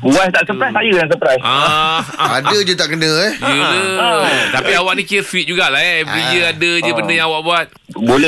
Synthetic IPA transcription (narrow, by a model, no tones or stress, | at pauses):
buwast̪aʔsəpɾajst̪ajədaŋs̬əpɾajsa | adəd͡ʒət̪aʔkənəɛd͡ʒələt̪apiawaʔnĩkiəfit̪̚d͡ʒuɡaʔlaɦaɛmid͡ʒəadəd͡ʒəbəndəjãŋawaʔbuat̪̚ | bolɛ